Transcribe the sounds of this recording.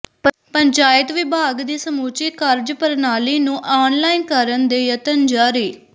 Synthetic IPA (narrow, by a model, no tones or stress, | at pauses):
pəɲt͡ʃaːjət̪ʋɪbʱaːɡd̪iːsəmuːt͡ʃɪkəɾd͡ʒpəɾnaːliːnũːʔaːnlaːinkəɾənd̪eːjət̪ənd͡ʒaːɾiː